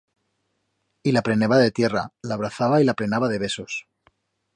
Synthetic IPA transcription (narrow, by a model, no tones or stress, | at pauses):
ilapɾe̞neβaðe̞t̪je̞ra̰laβ̞ɾaθaβailaple̞naβaðe̞βe̞so̞s